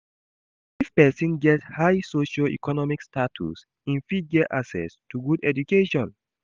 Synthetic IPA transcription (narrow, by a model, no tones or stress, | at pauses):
ifpɛsĩnɡɛthajsoʃɔḭkɔnɔmikstatʰṵs | ĩnfid̚ɡɛtʔaksɛ̰stʰuɡudɛd͡ʒukeʃɔ̃n